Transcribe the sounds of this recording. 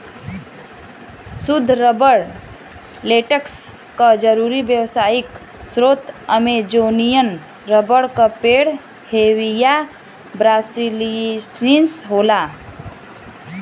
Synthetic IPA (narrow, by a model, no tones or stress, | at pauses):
sud̪ʱɾəbəɽ | leːʈəks | kəd͡ʒəɾuɾibjəwsaːik | sɾoːt̪əmed͡ʒoːnijən | ɾəbəɽkəpeɽ | hewija | bɾaːsilisinsɦoːla